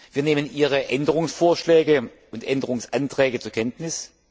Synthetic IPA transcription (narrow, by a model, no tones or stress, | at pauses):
viːɐneːmənʔiːʁ̞əʔɛndəʁ̞ʊŋsfoːɐʃlɛːɡə | ʊntʔɛndəʁʊŋsʔantʁ̥ɛːɡət͡suːɐkʰɛntnɪs